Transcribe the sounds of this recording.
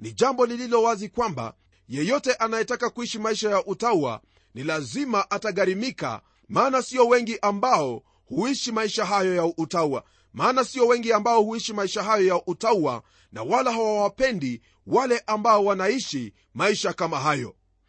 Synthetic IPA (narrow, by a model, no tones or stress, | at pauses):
niʄambɔlililɔwazikwamba̰ | jɛjɔtɛʔanajɛtakakuiʃimaiʃajaʔutaua̰ | nilazimaʔataɠaɾimika̰ | maːnasiɔwɛŋɡiʔambaɔ | huiʃimaiʃaɦajɔjautaua̰ | maːnasiɔwɛŋɡiambaɔhuiʃimaiʃaɦajɔjaʔutaua̰ | na̰walaɦawawapɛndi | walɛʔambaɔwanaiʃi | maiʃakamaɦajɔ̰